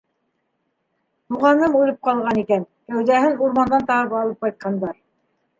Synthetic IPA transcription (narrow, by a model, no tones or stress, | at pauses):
t̪uʁɑnɤmulˠɤp̚qɑlˠʁɑnikæn | kæwðæhɘnuɾmɑnd̪ɑnt̪ɑɤpɑlˠɤp̚qɑjt̪̚qɑnd̪ɑɾ